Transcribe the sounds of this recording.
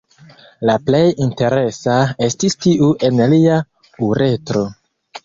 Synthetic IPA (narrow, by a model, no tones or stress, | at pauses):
laple̞jinte̞ɾe̞sae̞stistiʔuʔe̞nlia | uɾʔe̞tɾo̞